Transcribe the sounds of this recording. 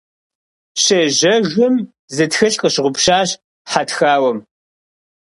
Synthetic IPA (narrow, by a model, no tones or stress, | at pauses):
ɕɐʒɐʒɐm | zɨtxɐɬʼqʼəɕʁʷʊpʃaːɕ | ħatxaːwɐm